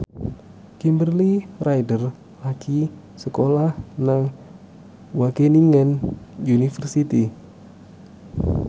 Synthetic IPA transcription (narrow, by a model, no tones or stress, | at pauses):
kimbərlirajdər | laki | səkolahnaŋ | wakeniŋɛnjunifərsit̪i